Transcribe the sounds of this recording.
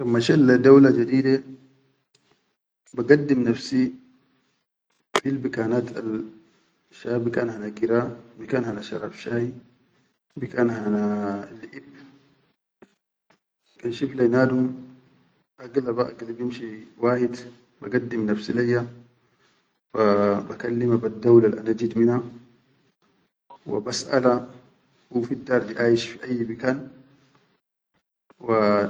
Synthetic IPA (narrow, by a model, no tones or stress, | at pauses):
lamːaʃalːad̪awlad͡ʒad̪iːd̪e | baɡad̪ːimnafsi | b̥ilbikaːnat̪ʰa̰l | ʃaːbikaːnɦanaɡiɾabikaːnhanaʃɑ̰ɾˤɑ̰fʃaːhi | bikaːnɦanalːiʔib | kanʃiflajnaːd̪um | ʔaɡlabaʔaɡlibjimʃiwaːhid̪ | baɡad̪ːimnafsilajːa | babakalːimabad̪ːawlalʔanad͡ʒid̪minha | wḭbasʔa̰la | hufid̪ːɑːɾˤd̪iʔaːjiʃfiʔajːbikaːn | wa